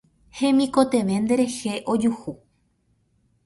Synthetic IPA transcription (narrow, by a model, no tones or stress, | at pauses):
hẽ̞mĩko̞t̪e̞ʋe̞nd̪e̞ɾe̞heʔo̞d͡ʒuhu